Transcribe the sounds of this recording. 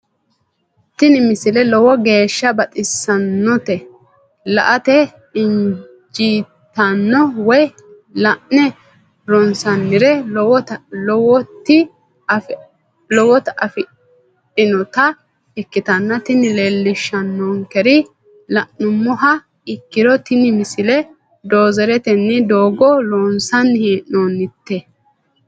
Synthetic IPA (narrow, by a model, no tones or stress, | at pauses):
t̪ɪnɪmɪsɪlɛlɔwɔɡe̞ːʃːɐbɐt̪ʼɪsːɐnːɔt̪ɛ | lɐ̰ʔɐt̪ɛ | ɪn | d͡ʒiːt̪ːɐnːɔwɔj | lɐʔnɛ | ɾɔnsɐnːɪɾɛ | lɔwɔt̪ːɪ | lɔwɔt̪ɐfɪ | ɪnɔt̪ɐ | ɛkːɪt̪ɐnːɐt̪ɪnɪleːlːɪʃːɐnːɔŋkɛɾɪ | lɐʔʊmːʊɦɐ | ɪkːɪɾɔt̪ɪnɪmɪsɪlɛ | d̪o̞ːzɛɾɛt̪ɛnːɪd̪oːɡɔɾɔːnsɐnːhiːʔnoːnːɪt̪ːɛ